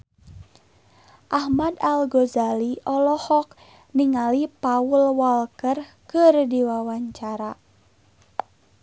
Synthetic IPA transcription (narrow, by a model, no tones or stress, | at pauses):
ʔahmadalɡɔzaliʔɔlɔhɔk̚ | niŋalipaulwalkər | kɨrdiwawaɲt͡ʃaɾa